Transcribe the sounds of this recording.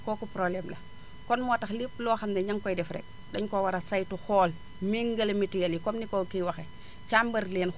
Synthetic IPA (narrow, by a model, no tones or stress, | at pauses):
kɔːkupɾoblɛmlɐ̰ | kɔnmɔtɐxliplɔːxɐmdɛɲaŋkɔjdɛfɾɛ̰k̚ | ɗɐɲkowaɾɐsajtuxɔːl | miŋɡɐlmitijɐljikɔmnikokiwɐxɛ | t͡ʃambɐɾleːn